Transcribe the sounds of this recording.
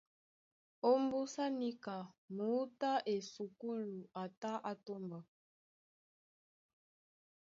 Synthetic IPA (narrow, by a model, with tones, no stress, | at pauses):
o˦mbu˦sa˦ni˦ka˨mu˨˦ta˦ʔe˨su˨ku˦lu˨a˨ta˦ʔa˦to˦mba˨